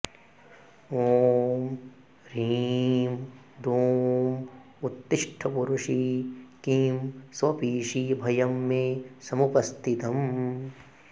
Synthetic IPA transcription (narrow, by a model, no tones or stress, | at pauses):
oːm | ɾiːm | d̪ʱoːm | ut̪ːɪʂʈʰɐpuɾuʂikiːmsʋɐpiːʂibʱɐjɐmːesɐmupɐst̪ʰit̪ɐm